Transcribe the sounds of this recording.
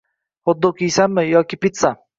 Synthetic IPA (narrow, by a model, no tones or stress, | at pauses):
hʊd̪ːʊkʲijsamːɪjɒkʲɪpɪt̪sa